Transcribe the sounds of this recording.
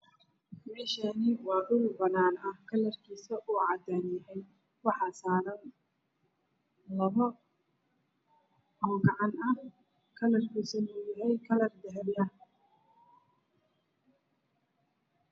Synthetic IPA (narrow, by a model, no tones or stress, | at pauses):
mɛːʃanɪwɑːdʊwbɐnaːnɐhkʰɐlɐrkʰiːsɐʔuːʕɑd̪aːnjɪɦɛj | wɑħɑːsaːɾɐn | lɐβɔ | ɔːɡɑʕɑnɐh | kʰɐlɐrkʰiːsɐnuːjɐɦɛjkʰɐlɐrd̪ɐɦɛljɐ